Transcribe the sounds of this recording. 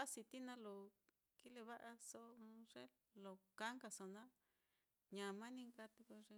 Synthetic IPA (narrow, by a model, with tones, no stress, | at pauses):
a˦si˧t̪i˦nã˦lo˨ | ki˦le˧βa˦ʔa˧so˦˧ʐe˦ | lo˨ka˦ŋɡa˧so˧nã˦ | ɲã˨mã˦nĩ˦ŋɡa˧t̪i˧ko˧ʐe˧